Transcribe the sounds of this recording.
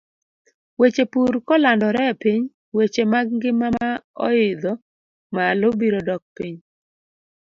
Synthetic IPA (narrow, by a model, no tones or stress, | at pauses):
wet͡ʃepuɾkɔlandɔɾɛpiɲ | wet͡ʃemaɡ̚ŋɡɪmaaɔ̰ɪd̪ɔ | malobiɾɔdɔk̚piɲ